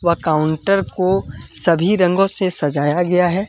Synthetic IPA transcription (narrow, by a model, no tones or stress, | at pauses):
ʋɐkaːʊ̃ɳʈəɾkosɐbʱiɾɐ̃ŋɡõsesɐd͡ʒaːjaɡɐjaɦɛː